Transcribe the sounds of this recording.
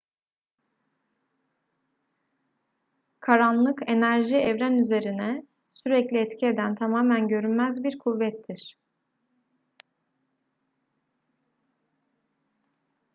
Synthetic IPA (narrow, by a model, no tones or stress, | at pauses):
kʰaɾanlˠɯke̞næɾʒiɛvɾænyze̞ɾinɛ | syɾɛclʲiɛt̪cʰie̞d̪ænt̪ʰamaːmænɟø̞ɾynmæzbiɾkʰuvːɛt̪ʰːiɾ̥